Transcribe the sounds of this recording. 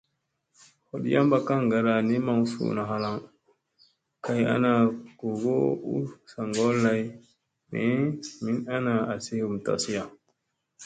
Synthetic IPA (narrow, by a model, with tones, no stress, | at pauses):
ho˨ɗja˦mba˨ka˦ŋ˨ɡa˨ɾa˨ni˦ma˨ŋ˦fṵ˨na˨ɦa˦la˦˨ŋ | ka˨ja̰˦na˨ko˨ɡo˦ṵ˦sa˨ŋɡo˦lːa˨˦j | nḛ˨mi˦na˦na˨a˨si˦hu˨m˨ta̰˨si˦ja˨